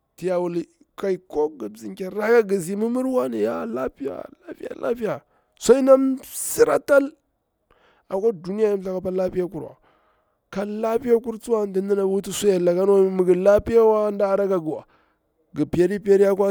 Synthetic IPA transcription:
ti˨ja˨wu˨li˨ | ka˨i˨ko˦ɡi˨bzi˨ŋka˨ɾa˦ɡa˦ɡi˨zi˨mi˦mu˦ɾwa˦ni˨ja˦˨la˦pi˦ja̰˨la˦pi˦ja̰˨lʔa̰˦pi˦ja˨ | sa˦i˦na˦msi˦ɾa̰˦ta˦l | a˨kʷa˦du˨ni˦ja˦ji˦m˦ɬa˨ka˨pa˦la˦pi˦ja˦ku˨ɾwa̰˨ | ka˨la˦pi˦ja˦ku˦ɾt͡su˦wa˦˨ndi˦n˦di˦na˨˦u˦ti˦su˦ja˨la˨ɡa˦n˦a˦mi˨ɡi˨la˦pi˦ja˦wa˦nda˦˨ɾa˦ɡa˨ɡu˨wa̰˨ | ɡi˨pi˨ja˦ɾi˦pi˦a˦ɾi˦ja˦kwa˦

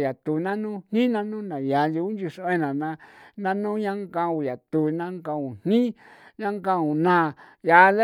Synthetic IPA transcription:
ja˨t̪u˨nã˦nũ˦n̥ĩ˦nã˦nũ˦nã˨ja˨nd͡ʒu˧u˦nd͡ʒu˧so˧ẽ˦nã˨nã˧nã˦nũ˦ɲã˦ŋkã˧u˧˨ja˨t̪u˨nã˦ŋkã˧ũ˨n̥nĩ˦ | ɲã˦ŋɡã˦˧ũ˨nã˦˨ja˧le˦

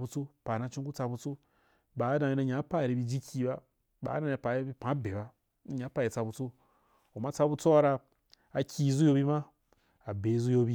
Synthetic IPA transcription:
bu˧t͡so˦pa˨na˧t͡ʃũ˦ŋku˦t͡sa˧bu˧t͡so˦ | ba˨˦dã˧ji˧na˧ɲa˨˦pa˦˨ɾi˧bi˧d͡ʒi˦kʲi˧ba˦ | ba̰˨˦dã˧a˧˦pa˨e˧bi˧pã˨˦be˨ba˦ | i˧˦ɲa˨˦pa˧ji˨t͡sa˧bu˧t͡so˦ | u˨ma˧t͡sa˧bu˧t͡so˦a˧ɾa˧ | a˧kʲʰi˧zu˦jo˧bi˧ma˦ | a˨be˨i˧zu˦jo˧bi˧

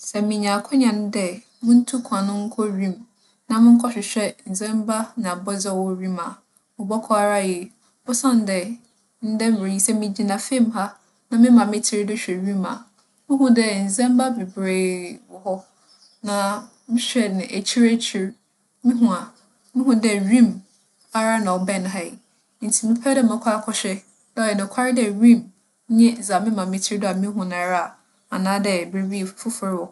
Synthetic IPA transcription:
sɛ˨mɪ̃˨ɲã˨kʰɔ˦ɲã˨ñ˦dɛ˦ | mʊ̃˦n̩˦tʰu˦kʰã˨nʊ̃˦ŋ̩˦kʰɔ˦ɾĩ˦m | nã˨mɪ̃˦ŋ̩˦kʰɔ˦ɕᶣɪ˨ɕᶣɛ˦n̩˨zɛ̃˦m˦ba˦nã˨a˨bɔ˦d͡zɛ˦˨wɔ˦ɾĩ˦mã˨ | mʊ̃˨bɔ˦kʰɔ˦a˦˨ɾa˦jɛ˨ | bʊ˦sã˦˨n˦dɛ˨ | n̩˦dɛ˦m˨ɪ˨ji˦sɛ˦mĩ˨d͡ʑi˨nã˨fẽ˦˨mha˦ | nã˦mɪ̃˦mã˨mɪ̃˦tʰɪ˦ɾɪ˦dʊ˦ɕᶣɛ˨ɥĩ˦ma̰˨ | mʊ̃˦ɦũ˦dɛ˦n̩˨zɛ̃˦m˦ba˦bi˨bɾeː˨wɔ˨hɔ˦ | nã˨ | mɪ̃˦ɕᶣɛ˨nɪ̃˨ʔæ˨t͡ɕʰi˦ɾæ˦t͡ɕʰi˨ɾ | mĩ˦ɦũ˨a˨ | mɪ̃˦ɦũ˦dɛ˦ɥĩ˦m | a˨˦ɾa˦nã˨ɔ˨bɛ˦˨ñ˨ɦa˦i˨˦ | n̩˨tʰi˨mɪ̃˦pʰɛ˦dɛ˦mɛ̃˨kʰʷa˦kʰɔ˦ɕᶣɛ˦ | da˦ɔ˨ɛ˨nɪ̃˨kʰa˦ɾɪ˦dɛ˦˨ɾĩ˦m˦ | ɲɛ̃˦˨za˨mɪ̃˦mã˨mɪ̃˦tʰɪ˦ɾɪ˦dʊ˦a˨mĩ˦ɦũ˨nã˨ɾa˦˨ | a˨nãː˦dɛ˨be˨bi˦˨fʊ˦fʊ˦ɾɔ˨

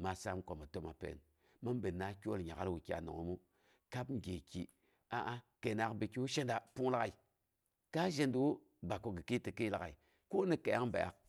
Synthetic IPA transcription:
ma˨sa˦mko˨ma˨to˦ma˨pḛ˨n | ma˦nbe˨na˦kʲo˦lɲa˨ɡa̰˦lwu˨kʲi˦a̰˨no̰˨ŋo̰˨˦mu˦ | ka˦bŋ˦ɡʲe˨kḭ˨ | a˨ʔa˦ke˨na˦kbi˨ki˦wu˦ʃe˦nda˨pu˦ŋla˦ɣa˨i˨ | ka˦ʒe˦ndu˦wu˦ | ba˨ko˨ɡi˨ki˦ti˨ki˦la˨ɣa˨i˨ | ko˦ni˦ke˨ja˦ŋ˦ba̰˨ja̰˦k̚

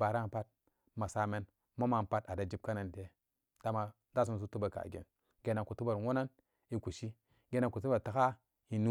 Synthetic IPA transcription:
ba˨ɾa˦n˨pa˦t̚ | ma˨sa˦me˦n | ma˦ma˨n˨pa˦ta˨da˨d͡ʒi˦b̚ka˦na˨nte˦ | ta˦ma˨ | da˦s̬u˦ns̬u˦tu˦ba˨ka̰˨ɡḛ˨n | ɡe˨˦na˨ku˨tu˦ba˨ɾwo˦na˦n | i˨ku˨ʃi˦ | ɡe˦na˨ku˨t̬u˦ba˨ta˨˦ka˦ | i˨nu˦

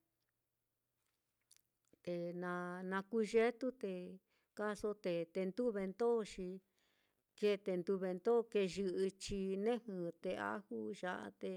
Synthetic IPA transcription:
t̪e˧nã˧nã˧ku˦ʒe˦t̪u˦t̪e˧ | ka˦so˦t̪e˧t̪e˧nd̪u˦βe˧nt̪o˦ʃi˧ | ke˦˧t̪e˧nd̪u˧βe˧nd̪o˦˧ke˧ʒɨ˧ʔɨ˧t͡ʃi˧nẽ˦hɨ̃˧t̪e˧a̰˦hu˦ʒa˧ʔa̰˧t̪e˧

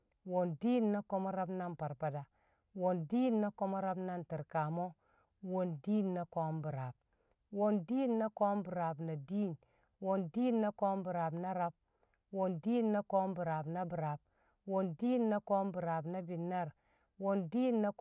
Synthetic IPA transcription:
wo˨ndi˦nːa˦ko˦ma˦ɾa˦bna˦mpa˨ɾpa˨da˨ | wo˨ndi˦nːa˦ko˦ma˦ɾa˦bna˦nti˨ɾka˨mo˦ | wo˨ndiː˦nːa˦ko˦mbu˨ɾa˨b̚ | wo˨ndi˦nːa˦ko˦mbu˨ɾa˨bna˨di˦˨n | wo˨ndi˦nːa˦ko˦mbu˨ɾa˨bna˦ɾa˦b̚ | wo˨ndiː˦nːa˦ko˦mbu˨ɾa˨bna˦bi˨ɾa˨b̚ | wo˨ndi˦nːa˦ko˦mbu˨ɾa˨bna˦bi˨nːa˦˨ɾ | wo˨ndi˦nːa˦

